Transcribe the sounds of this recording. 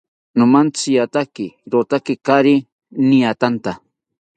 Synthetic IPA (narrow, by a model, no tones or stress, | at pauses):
nʊmant͡sijat̪akɪɾot̪akɪkaɾɪ | niat̪ant̪a